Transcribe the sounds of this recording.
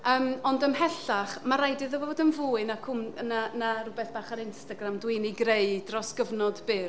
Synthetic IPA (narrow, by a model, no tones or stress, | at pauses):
əːmɔndəmɦɛɬaχmaɾajdɨðɔvoːdənvuːɨnakʰʊmnanarʊbɛθb̥aːχaɾɪnstaɡramdwɪniɡrejdrɔsɡ̥əvnɔdbɪ